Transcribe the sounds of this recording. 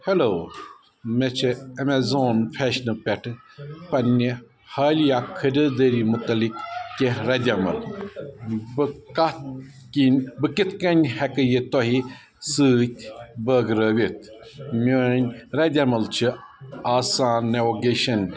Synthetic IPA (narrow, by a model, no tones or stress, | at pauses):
heloː | met͡ʃʰɨɐmezoːnfʰeʃnɨpʲɛʈʰɨ | pɐnʲːi | haːlijakʰədəːd̪əɾimut̪ɐlikːeɾɐd̪ʲjɐmɐ̰l | bɨkɐt̪ | kinʲbɨkit̪ʰkɐnʲhekəjit̪oɦi | sɨːt̪ʲbəɡɾəːʋit̪̚ʰ | monʲɾɐd̪ʲɐmɐlt͡ʃʰɨaːsaːnːeʋoɡeːʃɐn